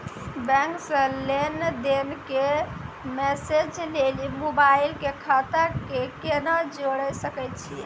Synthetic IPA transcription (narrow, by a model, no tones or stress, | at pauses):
bɛ̃ŋksə̃lend̪enke | mesed͡ʒlelimobailkekʰat̪akekenad͡ʒoɽəsəkɛjt̪t͡ʃʰi